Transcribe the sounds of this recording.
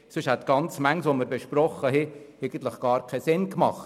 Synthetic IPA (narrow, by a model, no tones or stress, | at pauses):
sʏʃhɛt̪ɡ̥ɑnt͡smæŋsʋoməɾbeʃprɔχəɦɛɛɪɡən̩t̪ləχɡ̥ɑːɾkʰɛsɪnkmɑ̰χt